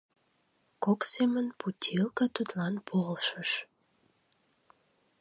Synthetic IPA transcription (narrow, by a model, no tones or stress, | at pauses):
koksemənputʲʰilkɑt̪ut̪lɑnpʰolʃəʃ